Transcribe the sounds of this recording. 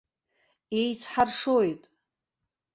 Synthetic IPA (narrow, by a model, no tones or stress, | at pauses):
ejt͡sʰħarʂojtʼ